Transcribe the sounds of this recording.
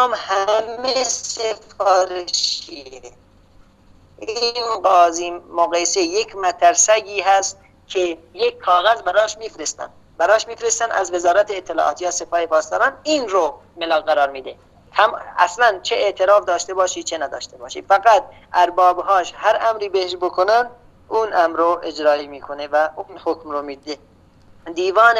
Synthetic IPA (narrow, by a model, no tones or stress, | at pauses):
mhæmesefɒːɾeʃie | ʔinɡɒːziːmoɣɑjsejekʰmæt̪ʰæɾsæɡiːɦæst̪̚ | kʰejekʰːɒːɣæzbæɾɒːʃmiːfɾest̪æ̰n | bæɾɒːʃmiːfɾest̪ænæ̰zvezɒːɾæt̪ʰeːt̪ʰːelɒ̰ːʔɒ̰ːt̪jɑːse̞pʰɒːhepʰɒːst̪ɒːɾɑːniːnɾo | melɑːɣɡæɾɑːɾmiːd̪e | t̪ʰæmæ̰slænt͡ʃʰeʔeʔt̪ʰeɾɑːfd̪ɒːʃt̪e̞bɒːʃiːt͡ʃʰenæd̪ɒːʃt̪ebɒːʃḭːfæɣæt̪̚ | ʔæɾbɒːbɦɒːʃhæɾʔæmɾiːbeheʃbokʰonænd̪ | uːnæmɾoʔed͡ʒɾɒːiːmiːkʰonevæunhokmɾomiːd̪e | d̪iːvɒːn